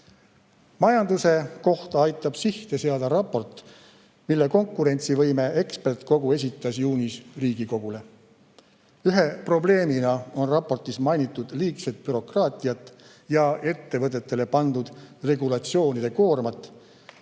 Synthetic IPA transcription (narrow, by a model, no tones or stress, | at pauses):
mɑjɑnd̪use̞ko̞ht̪ɑɑjt̪ˑːɑb̥siht̪e̞seɑd̪̥ɑɾɑpːo̞rt̪ːˑ | milːe̞ko̞ŋkːˑuɾe̞nʲt̪sivɤjme̞e̞kspe̞rt̪ko̞ɡ̥ue̞s̬ʲit̪ːˑɑsjuːnʲisriːɡ̥iko̞ɡ̥ule̞ | yɦe̞pro̞ble̞ːminɑo̞nrɑpːo̞rt̪ˑismɑjnit̪ːˑud̪̥liːkset̪̚ˑpyɾo̞krɑːt̪ˑijɑt̪ːˑ | jɑʔe̞t̪ːe̞vɤt̪̬ːˑet̪ˑːe̞le̞pɑnd̪ud̪̥re̞ɡulɑt̪sio̞ːnid̪̥e̞ko̞ːrmɑt̪ːˑ